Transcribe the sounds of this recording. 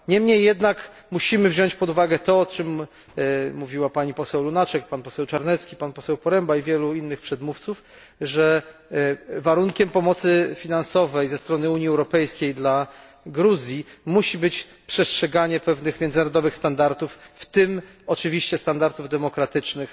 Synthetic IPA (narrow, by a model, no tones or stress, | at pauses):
ɲɛmɲejːɛd̪nak | muɕimɘvʑɔɲt͡ɕpɔd̪uvaɡɛt̪ɔɔt͡ʂɘm | mːuvʲiwapaɲipɔsɛwlunat͡ʂɛk̚panpɔsɛwt͡ʂaɾnɛt̪skʲipanpɔsɛwpɔɾɛmbaivʲjɛluinːɘxpʂɛd̪muft̪suf | ʐɛ | vaɾuŋkʲɛmpɔmɔt̪sɘfʲinansɔvɛjzɛst̪ɾɔnɘuɲiɛwɾɔpɛjskʲejd̪la | ɡɾuzʲjimuɕibɘt͡ɕ | pʂɛstʂɛɡaɲɛpɛvnɘxmʲjɛnd̪znaɾɔd̪ɔvɘxst̪and̪aɾt̪ufːt̪ɘm | ɔt͡ʂɘvʲiɕt͡ɕɛst̪and̪aɾt̪uvd̪ɛmɔkɾat̪ɘt͡ʂnɘx